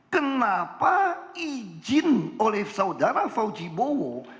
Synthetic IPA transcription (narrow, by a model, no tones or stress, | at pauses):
kənapaid͡ʒɪnolɛhsawdaɾafawd͡ʒibowɔ